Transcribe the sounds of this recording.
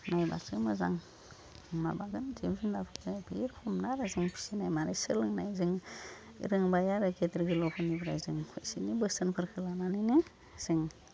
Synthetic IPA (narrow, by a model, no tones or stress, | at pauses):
najba̰sɯmɯza̰ŋ | ma̰baɡɯntʰebzɯŋdapʰɯ̥tapʰiiɾpʰɔmnaɾazɯŋpʰi̥sinajmaɾesɯlɯŋnajzɯŋ | ḭɾɯŋbajaɾɯkʰetɾɡɯlɔpʰɯnibɾa̰jzɯŋkʰɯjsḭnibɯstɯnpʰɯɾkʰɯlananinɯ | z̥ɯŋ